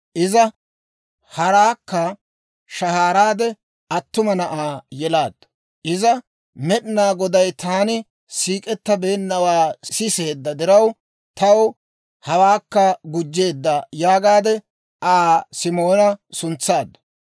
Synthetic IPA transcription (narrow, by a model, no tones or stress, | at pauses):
ʔɪzɐ | hɐɾaːkːɐ | ʃɐhaːɾaːd̪ɛ | ɐt̪ːʊmɐnɐʔaːjɛlaːd̪̥ːɐ̥ | ʔɪzɐ | mɛɗɪnaːɡɔd̪ɐjt̪aːnɪ | siːkʼɛt̪ːɐbe̞ːnːɐwaːsɪse̞ːd̪ːɐd̪ɪɾɐw | t̪ɐw | hɐwaːkːɐɡʊd͡ʒːe̞ːd̪ːɐjaːɡaːd̪ɛ | ʔaːsɪmo̞ːnɐsʊnt͡sːaːd̪ːɐ̥